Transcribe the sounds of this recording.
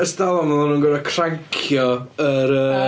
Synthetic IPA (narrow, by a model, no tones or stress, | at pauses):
əsdalˠɔmanˠununɡəɾəkʰraŋkʰjɔəɾəː